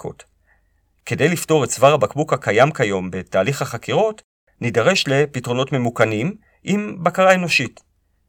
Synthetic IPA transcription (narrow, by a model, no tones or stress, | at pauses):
ko̰t | ke̞de̞jlifto̞ʁetsvaʁhabakbukhakajamkajo̞mbe̞taːliχhaχakiʁo̞t | nidaʁe̞ʃle̞pitʁo̞no̞tme̞mukanim | ʔimbakaʁae̞no̞ʃit